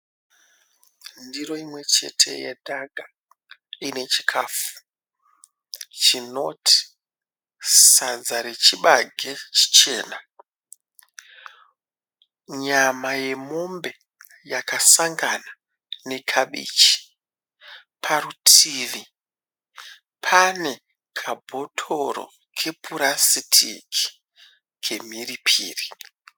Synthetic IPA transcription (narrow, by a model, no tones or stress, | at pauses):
ndiro̞imwe̞t͡ʃe̞̰tʰe̞̰jḛdʱaɡʱa | ine̞t͡ʃi̥kʰaːfu̥ | t͡ʃino̞tʰi̥ | sad͡zaɾet͡ʃiɓaɡʱe̞t͡ʃi̥t͡ʃe̞ːna | ɲamaje̞mo̞mbe̞ | jakasaŋɡana | ne̞kʰaɓḭːt͡ʃi̥ | pʰarutʰiːʋi | pʰane̞ | kʰabʱo̞tʰo̞ɾo̰ | kʰe̞pʰuɾasitʰḭki̥ | kʰe̞miripʰḭːri